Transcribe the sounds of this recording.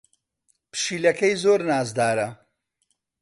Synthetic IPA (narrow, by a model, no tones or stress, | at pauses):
pʃiːlɐkʰɐjzoːɾnaːzd̪aːɾɐ